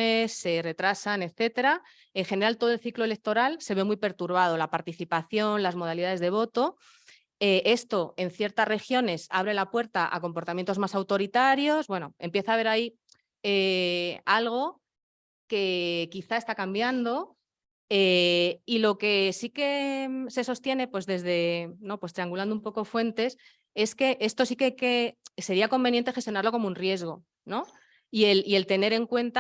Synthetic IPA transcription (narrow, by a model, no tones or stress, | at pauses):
esːe̞re̞t̪ɾasane̞θe̞t̪e̞ɾa | e̞ŋxe̞neɾalt̪o̞ð̞oe̞lθiklole̞k̚t̪o̞ɾalse̞β̞e̞mwijpe̞ɾt̪uɾβ̞að̞o̞lapaɾt̪iθipaθjo̞nlazmo̞ð̞aliðaðe̞zðe̞β̞o̞t̪o̞ | eʔe̞st̪o̞e̞n̟θje̞ɾt̪asre̞xjo̞ne̞saβ̞ɾe̞lapwe̞ɾt̪aʔa̰ko̞mpo̞ɾt̪amjent̪o̞zmasawt̪o̞ɾit̪aɾjo̞zbwe̞no̞e̞mpje̞θaβ̞e̞ɾai | e | alɣ̞o̞ | ke̞kiθae̞st̪akambjand̪o̞ | eilo̞ke̞sike̞se̞so̞st̪je̞ne̞pwe̞zðe̞zðe̞no̞pwe̞st̪ɾiaŋɡuland̪oumpo̞ko̞fwe̞nt̪e̞s | e̞ske̞ʔe̞st̪o̞s̬ikeakese̞ɾiako̞mbe̞njent̪e̞xet̪jo̞naɾlo̞ko̞mounrje̞zɣ̞o̞ | no̞ | ie̞lie̞lt̪e̞ne̞ɾe̞ŋkwe̞nt̪a